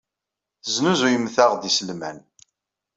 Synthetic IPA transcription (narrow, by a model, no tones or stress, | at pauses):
θəznuzujəmːθaʁd̪isəlmæ̰n